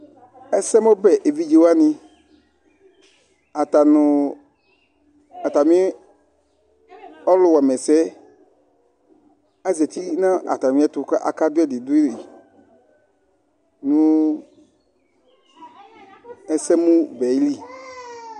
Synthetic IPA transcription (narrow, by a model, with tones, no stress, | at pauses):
ɛ˦sɛ˦mo˦bɛ˨ʔe˨vi˦d͡ʒe˨wa˦nĩ˧ | a˨t̪a˨nʊ˨ | a˨t̪a˨mĩ˦ | ɔ˦lʊ˨wa˨mɛ˨sɛ˦ | a˦zɛ˨t̪i˦nã˦ʔa̰˨t̪a˨mĩ˦ɛ˦t̪ʊ˧ka˦ʔa̰˨ka˦dʊ˦ɛ˦dɪ˨dʊ˦i˦ɾi˨ | nũ˦ | ɛ˦sɛ˦mũ˦bɛ˨˦li˦